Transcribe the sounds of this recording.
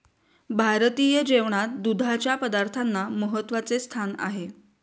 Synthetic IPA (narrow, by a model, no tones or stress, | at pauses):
bʱaɾt̪ijəd͡ʑeʋɳat̪̚d̪ud̪ʱat͡ɕjapəd̪aɾt̪ʰanːaməɦət̪ːʋat͡sest̪ʰana̰ɦe